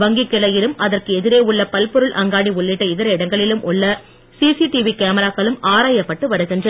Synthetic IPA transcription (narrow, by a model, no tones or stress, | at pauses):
ʋɐŋɡikːɪlɐjɪlɯmɐðɐrkɯɛðɪɾeːʊɭːɐpɐlpɔɾɯɭʔɐŋɡaːɽiʊɭːɪʈːɐɪðɪɾɐɪɽɐŋɡɐɭɪlɯmʔʊɭːɐ | siːsiʈiʋikeːmɐɾaːkɐɭɯmaːɾaːjɐpːɐʈːɯʋɐɾɯɣɪndrɐ